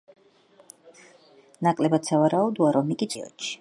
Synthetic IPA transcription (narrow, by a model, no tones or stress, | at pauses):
nakʼlɛbat̪savaɾaud̪uaɾɔmikʼit̪ʰiɔ̰t͡ʃʰi̥